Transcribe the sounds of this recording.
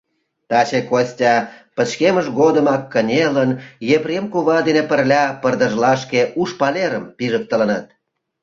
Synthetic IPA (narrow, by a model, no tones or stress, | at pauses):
t̪ɑt͡ɕekosʲtʲɑpə̆t͡ɕkeməʃɣod̪əmɑkːənʲelənjeβɾʲemkuβɑd̪enepərlʲɑpərd̪ə̆ʒlɑʃkeʔuʃpɑleɾəmpiʒək̚t̪ələnət̪̚